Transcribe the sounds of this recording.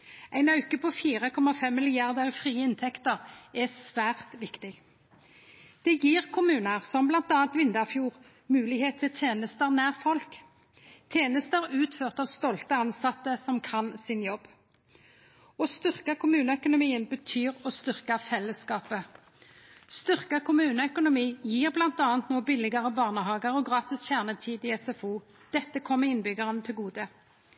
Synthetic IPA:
æɪnɑʉkəpʰɔfiːʁəkʰɔmɑfɛmːɪlɪjɑʁd̪əʁfʁiːəɪnt̪ʰɛkt̪əʁɛsʋæːʁt̪ʋɪkt̪ɪɡ | d̪̥ɛjiːʁkʰʊmʉːnəʁsɔmblɑnt̪ɑːɑnt̪ʋɪnd̪əʁfjuːʁ | mʉːlɪheːt̪t̪ʰːɪlt̪ʰeːnəst̪əʁnæːʁfɔlk | t̪ʰjeːnəst̪əʁʉːt̪føːʁt̪ɑːʋst̪ɔlt̪əɑnsɑt̪ːəsɔmkʰɑnsɪnjɔbː | ɔst̪ʏʁkəkʰʊmʉːnəœkʊnʊmiːənbət̪ʰyːʁɔst̪ʏʁkɑfɛlːəskɑːpə | st̪ʏʁkəkʰʊmʉːnəœkʊnʊmiːjiːʁblɑnt̪ɑːɑnt̪noːbɪlɪɡəʁəbɑːʁnəhɑːɡəʁɔɡʁɑːt̪ɪsçæʁnət̪ʰiːd̪ɪɛsɛfuː | d̪̥ɛt̪ːəkʰɔmːəɪnbʏɡəʁənət̪ʰɪlɡuːd̪ə

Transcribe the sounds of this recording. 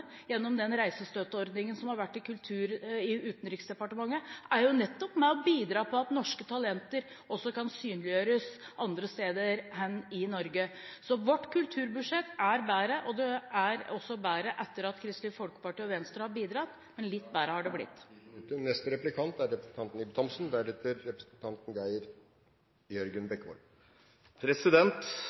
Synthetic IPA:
jɛnːɔmd̪ɛnɾæɪsəst̪øːt̪əɔɾd̪nɪŋənsɔmhɑɾʋæʈːɪkʰʉlt̪ʰʉːɾɪʉːt̪nɾɪksd̪ɛpɑʈəmɑŋːəæɾjʊnɛt̪ːɔpmɛɔbiːd̪ɾɑːpʰɔɑt̪nɔʂkət̪ʰɑlɛnt̪əɾ | ɔsːɔkʰɑnsyːnlɪjøːɾəsʔɑnd̪ɾəst̪eːd̪əɾɦɛnːɪnɔɾɡəsɔʋɔʈːkʰʉlt̪ʰʉːɾbʉʂɛt̪ːæɾbæːɾəʔɔd̪ɛæɾɔsːɔbæːɾəʔɛt̪ːəɾɑt̪kʰɾɪst̪lɪfɔlkə̥pɑʈiːɔʋɛnst̪əɾhɑɾbiːd̪ɾɑt̪ː | mɛnlɪt̪ːbæːɾəhɑɖɛblɪ̰t̪ːnɛst̪əɾɛplɪkʰɑnt̪æɾɾɛpɾəsn̩t̪ɑnt̪n̩ibt̪ʰɔmsn̩d̪æɾɛt̪əɾːɛpɾəsn̩t̪ʰɑnt̪n̩ɡæɪəɾ | jœɾɡənbɛkːʋɔ̰l | pʰɾɛsɪd̪ɛnt̪

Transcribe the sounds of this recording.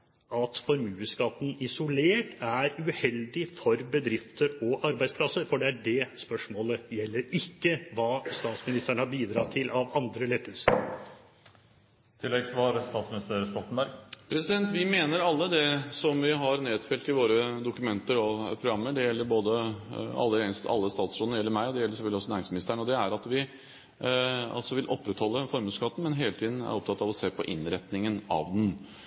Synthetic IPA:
ɑt̪fɔɾmʉːəskɑt̪ːn̩ɪsʊleːʈæɾʉhɛld̪ɪfɔɾbəd̪ɾɪft̪əɾɔʔɑɾbæɪspʰlɑsəɾfɔɖɛæɖɛspœʂmoːləjɛlːəɾɪkːəʋɑːst̪ɑːt̪smɪnɪst̪əɳhɑɾbiːd̪ɾɑːt̪ʰɪlʔɑʋɑnd̪ɾəlɛt̪ːəlskɑ̰pə | t̪ʰɪlːɛɡsʋɑɾst̪ɑːt̪smɪnɪst̪əɾst̪ɔt̪ən̩bæɾɡpʰɾɛsɪd̪ɛnt̪ʋɪmeːnəɾɑlːəd̪ɛsɔmʋɪɦɑɾneːd̪fɛlt̪ɪʋoːɾəd̪ʊkʉmɛnt̪əɾɔpʰɾʊɡɾɑmːəɖɛjɛlːəɾboːd̪əɑ̰lːəesɑ̰lːəst̪ɑːt̪sʂuːnəɾjɛlːəɾmæɪɔd̪ɛjɛlːəʂsɛfœlːɪɔsɔnæːɾɪŋsmɪnɪst̪əæɳ̩ɔd̪ɛæɾɑt̪ʋɪ | ɑ̰lsɔʋɪlʔɔpːɾɛt̪hɔlːəfɔɾmʉskɑt̪ːn̩mɛnɦeːlət̪ʰiːd̪n̩æ̰ɾɔp̚t̪ʰɑt̪ːɑʋɔseːpɔʔɪnɾɛt̪nɪŋənɑ̰ːʋd̪n̩

